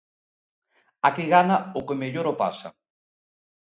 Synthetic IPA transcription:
akiɣanaʊkemeʎoɾopasɐ̰

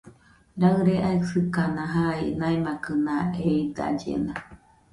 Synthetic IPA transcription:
ɾaɯɾeʔaisɨkanãɦainaimakɯnaeid̪a̰d͡ʒḛna

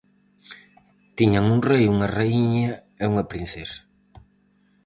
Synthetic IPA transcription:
t̪iɲaŋuŋrejuŋareiɲa | euŋɐpɾin̟θesḁ

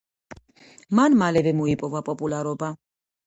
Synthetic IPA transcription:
manmalɛvɛmɔipʼɔvapʼɔpʼulaɾɔba

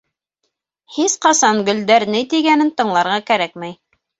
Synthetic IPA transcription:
hisqɑsɑŋɡɵ̆ld̪æɾnɘt̪iɡænɘnt̪ɤ̆ɴlˠɑɾʁɑkæɾækmæj

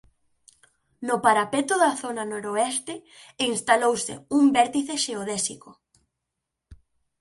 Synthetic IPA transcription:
nʊpaɾapet̪ʊðaθonanoɾoɛst̪ɪinst̪alowsɪ̰umbɛɾt̪iθeʃeoðɛsḭkʊ

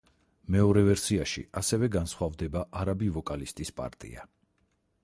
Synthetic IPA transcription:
mɛɔɾɛvɛɾsiaʃḭasɛvɛɡansχwavd̪ɛbaʔaɾabivɔkʼalist̪ʼispʼa̰ɾt̪ʼḭa

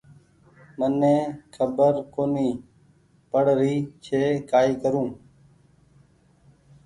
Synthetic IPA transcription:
mənẽːkʰəbəɾkoːniː | pəɽɾiːt͡ʃʰeːkaːiːkəɾũː

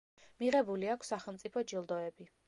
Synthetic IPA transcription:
miʁɛbuliakʷʰsːaχɛlˠmt̪sʼipʰɔd͡ʒilˠd̪ɔɛbi

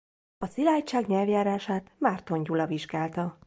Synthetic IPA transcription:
ɒsilaːjt͡ʃaːɡɲɛlvjaːɾaːʃaːt̪maːrt̪o̞ɲɟulɒviʒɡaːlt̪ɒ

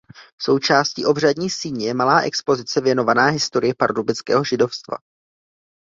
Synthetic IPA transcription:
so̞wt͡ʃaːscḭːʔo̞br̝adɲiːsiːɲɪjɛmalaːʔɛ̰kspo̞zɪt͡sɛvjɛno̞vanaːɦɪst̪o̞ɾɪjɛpaɾdubɪt͡skɛ̰ːɦo̞ʒɪdo̞fst̪va̰

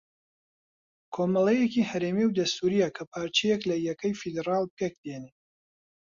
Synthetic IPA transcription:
kʰomɐlˠejekihɐɾemiwd̪ɐst̪ʰuɾijɐkʰɐpʰaːɾt͡ʃijeklɐjɐkɐjfid̪eɾɑːlˠpʰek̚d̪ene

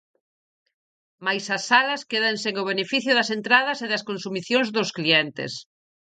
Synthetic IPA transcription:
majsɐsːalɐskeðaŋseŋoβ̞enefiθjʊðɐsent̪ɾaðɐseðɐskõnsumiθjõŋzðoskliɛnt̪ḛs

